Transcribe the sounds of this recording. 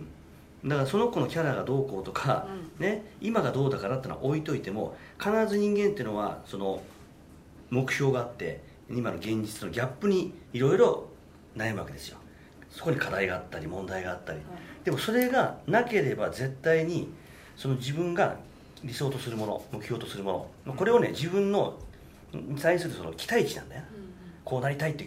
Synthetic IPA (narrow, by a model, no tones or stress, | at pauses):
d̪akaɾaso̞no̞ko̞no̞kʲaɾaɡad̪o̞ːko̞ːt̪o̞kʰa̰ne̞imaɡad̪o̞ːd̪akaɾat̪eːnoa̰ʔoit̪o̞it̪e̞mo̞̰ | kanaɾazɨɲ̟ĩŋɡe̞nt̪eiɯ̟no̞βa̰so̞no̞ | mo̞kɯ̟̥ço̞ːɡaːt̪ːe̞ | imano̞ɡẽ̞ɲ̟d͡ʑit͡sɨno̞ɡʲapːɯ̟ɲ̟iːɾo̞iɾo̞ | naemɯ̟ake̞d̪e̞sɨjo̞̰ | so̞ko̞ɲ̟ikʰad̪aiɡaːt̪ːaɾʲimõ̞nd̪aiɡaːt̪ːaɾʲid̪̥e̞mo̞so̞ɾe̞ɡanake̞ɾe̞baze̞t̪ːaiɲ̟i | so̞no̞d͡ʑibɯ̟̃ŋɡa̰ | ɾʲiso̞ːt̪o̞sɨɾɯ̟mo̞no̞̰mo̞kɯ̟çʲjo̞ːt̪o̞sɨɾɯ̟mo̞no̞̰mako̞ɾe̞o̞ne̞̰d͡ʑibɯ̟̃nːo̞ | ɲit̪aiɲ̟isɨɾɯ̟so̞no̞̰kʲi̥t̪ait͡ɕinã̰nd̪ajkʰo̞ːnaɾʲit̪ait̪ːe